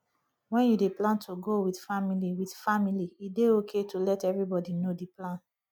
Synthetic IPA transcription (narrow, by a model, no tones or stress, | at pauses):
wɛ̃njudeplãntʰuɡowidfamiliwidfamiliideokʰetʰulɛtɛvɹibɔdinodiplãn